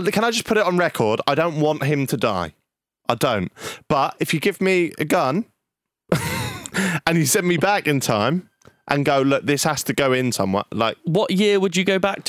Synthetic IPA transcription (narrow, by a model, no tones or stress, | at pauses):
kʰə̃ñaɪd͡ʒʌspʰʊɾɪtn̩ɹɛkʰɔːdaɪdə̃ʊ̃nʔwɒ̃nʔɦɪ̃mtʰəda̰ɪ | ʔaɪdə̃ʊ̃ntb̥ʌʔɪfjɨɡɪvmiə̰ɡʌ̃n | ʔə̃nisɛ̃nmibakɪ̃ntʰãɪ̃m | ʔə̃nɡoʊlʊk̚ðɪshastʰəɡoʊɪ̃nsʌ̰̃mwɛ̰laɪk̚wɒʔjɪəwəd͡ʒəɡoʊbak̚tʰ